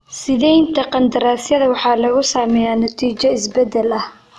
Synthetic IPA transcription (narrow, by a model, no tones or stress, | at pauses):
sɪðɛjnt̪ɐqɑnd̪ɐɾaːsjɐðɐwɑħɑːlɐɣʊsaːmɛjaːnɐt̪ʰiːt͡ʃɐɪsbɛd̪ɛlɐh